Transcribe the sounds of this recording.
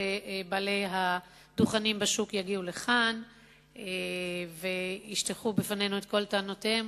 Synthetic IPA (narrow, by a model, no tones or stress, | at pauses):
ebaleɦa | d̥̪uχanimbaʃukjaɡiule̞χan | eveiʃt̪eχubefanenuet̪̚ko̞ltaːnotem